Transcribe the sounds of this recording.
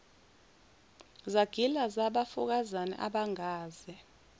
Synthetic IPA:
zaɡ̥ʱilazaɓafuk̬azanɛ̰ʔaɓaŋaːz̥ɛ

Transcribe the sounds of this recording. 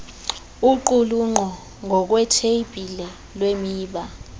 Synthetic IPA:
uǃuluŋ͡ǃʱɔ | ŋʱɔk̬wɛtʰeib̥ʱilɛ | lwemiːɓa

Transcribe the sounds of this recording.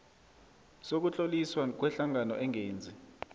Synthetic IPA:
sok̬ut͡ɬʼoliswak̬wɛɬaŋanɔʔɛŋeːnd͡zʱi

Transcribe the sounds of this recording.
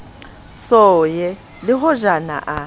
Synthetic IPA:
sɔjɛ | lɪɦʊʒana̰ʔa

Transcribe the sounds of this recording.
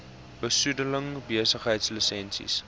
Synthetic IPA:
b̥əsudələŋbiəsəχɦəjtslisɛnsḭs

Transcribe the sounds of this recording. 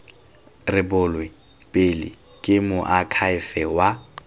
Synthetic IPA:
rɪbʊlwɪ | pʼɪlɪ̰ | kʼɪmʊʔakʰaɪfɛwa

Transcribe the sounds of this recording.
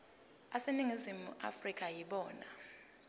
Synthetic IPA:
aseniŋizimuʔa̰frikʼajiɓɔːna̰

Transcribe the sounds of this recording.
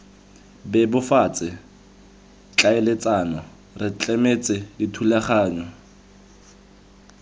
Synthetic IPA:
bɛbʊfat͡sʼɪ | t͡ɬʼaɪlet͡sʼanɔ | rɪt͡ɬʼɛmet͡sʼɪditʰulaχaːɲɔ

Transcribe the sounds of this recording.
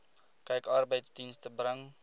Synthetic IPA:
kɛjkɑːrbəjtsdinstəbrəŋ

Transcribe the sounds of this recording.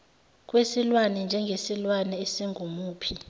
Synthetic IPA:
k̬ʼwesilwanɛnd͡ʒʱɛŋɡʱesilwanɛesiŋʱumuːpʰi

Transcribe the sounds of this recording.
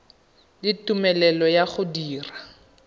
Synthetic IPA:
dɪtumɛlɛlɔjaχʊdiːra

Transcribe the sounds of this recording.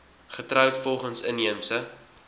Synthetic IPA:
χətrœwtfɔlˠχənsəniəmsə

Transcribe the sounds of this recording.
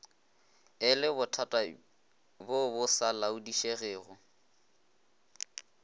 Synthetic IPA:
ɪlɪbʊtʰatʼa | bʊbʊsalaʊdiʃeɣeːɣʊ

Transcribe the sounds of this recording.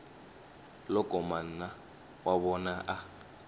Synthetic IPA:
lɔkʼɔman̩na | waβɔnaʔa

